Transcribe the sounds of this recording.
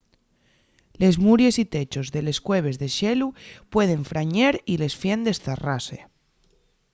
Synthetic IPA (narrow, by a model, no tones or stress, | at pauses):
le̞zmuɾje̞sit̪e̞t͡ʃo̞zðe̞le̞skwe̞β̞e̞zðe̞ʃe̞lupwe̞ð̞e̞ɱfɾaɲeɾile̞sfje̞nd̪e̞sθara̰sḛ